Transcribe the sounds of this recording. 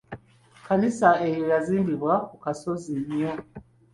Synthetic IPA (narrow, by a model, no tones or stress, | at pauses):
kʰanisaɛjɔjazimbiβwakukasɔziɲiɔ